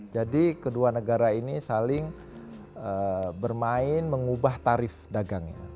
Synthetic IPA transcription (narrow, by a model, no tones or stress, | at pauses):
d͡ʒadikəduanəɡaɾainisalɪŋ | əbərmaɪnməŋubaht̪aɾɪfdaɡaŋɲa̰